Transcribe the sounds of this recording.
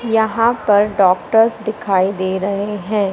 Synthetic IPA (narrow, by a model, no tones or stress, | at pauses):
jɐɦãpɐɾɖɔːk̚ʈəɾsd̪ɪkʰaːid̪eːɾɐɦeɦɛ̃ː